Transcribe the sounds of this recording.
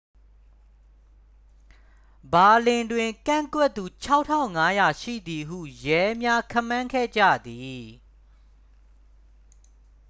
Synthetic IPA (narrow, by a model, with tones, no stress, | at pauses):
ba˨lɪ̃˨ndwɪ̃˨ŋkã̰˦˨ŋkwɛ˦t̪ːu˨t͡ɕʰa˦ʊʔtʰːã̰˦˨ʊ̃ŋa˦ja˨ʃḭ˦˨d̪i˨ɦṵ˦˨jɛ˦mja˦kʰã˦˨mã˦ŋkʰɛ̰˦˨d͡ʑä̰˦˨d̪i˨